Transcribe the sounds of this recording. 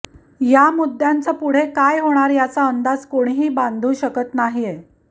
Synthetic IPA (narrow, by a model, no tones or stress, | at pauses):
jamud̪ʱːjant͡səpuɽ̤ekajɦoɽ̃aɾjat͡saənd̪ad͡zkoɽ̃iɦiːbãnd̪ʱuːɕəkət̪naɦije